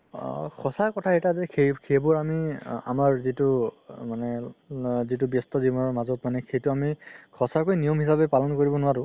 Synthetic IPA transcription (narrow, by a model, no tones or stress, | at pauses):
kʰɔsakɔtʰaetazɛkʰekʰebɔɹamia̰maɹzitumanɛ | zitʊbjɔstɔzimɔnɔɹmazɔtmanɛxʰejtʊamikʰɔsaɹkojnijɔmɦisabɛpalɔnkoɹibɔnʊwaɾʊ